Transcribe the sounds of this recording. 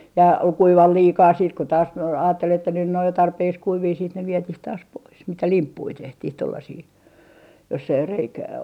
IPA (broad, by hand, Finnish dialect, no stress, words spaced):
jɑ kuiʋɑl liːkɑː siːt ko tɑːs ɑ ɑːtːel etːæ nyn nĕ oj jo tɑrpeːks kuiʋiː siːt ne ʋietih tɑːs pois mitæ limpːui tehtih tolːɑsiː josː ei reikæː